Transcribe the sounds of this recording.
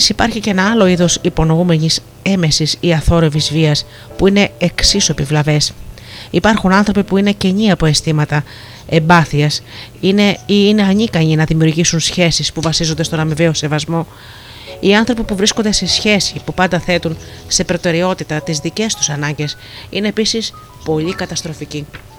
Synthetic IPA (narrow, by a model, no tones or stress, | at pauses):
sipɐɾçice̞nɐɐlo̞iðo̞sipo̞no̞ume̞ɲis | e̞me̞sisiɐθo̞ɾe̞vizviɐs | puine̞eksisopivlɐve̞s | ipɐɾxunɐnθɾo̞pipuine̞ce̞ɲiɐpo̞e̞st̪imɐt̪ɐ | e̞mbɐθiɐs | ineiine̞ɐɲikɐɲinɐðimiuɾʝisunsçe̞sispuvɐsizo̞nd̪est̪o̞nɐmive̞o̞se̞vɐzmo̞ | iɐnθɾo̞pipuvɾisko̞nd̪e̞se̞sçe̞si̥pupɐnd̪ɐθe̞t̪unse̞pɾo̞t̪e̞ɾio̞t̪it̪ɐt̪izðice̞st̪u̥sɐnɐɲɟe̞s | ine̞ːpisis | po̞ʎikɐt̪ɐst̪ɾo̞fici